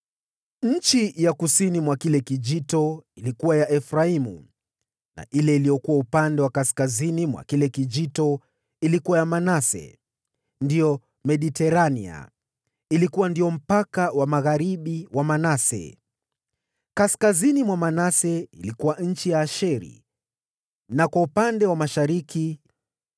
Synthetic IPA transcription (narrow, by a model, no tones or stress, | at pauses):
ɲ̩t͡ʃijakusinimwakilɛkid͡ʒitɔilikuwajaʔɛfɾaimṵ | na̰ʔilɛilijɔkuwaupandɛwakaskazinimwa̰kilɛkid͡ʒitɔ | ilikuwajamanasɛ̰ | ndijɔ | mɛɗitɛɾanḭa̰ | ilikuwandijɔm̩pakawamaɣaɾiɓiwamanasɛ̰ | kaskazinimwamanasɛilikuwanɲ̩t͡ʃijaːʃɛɾḭ | nakwaupandɛwamaʃaɾiki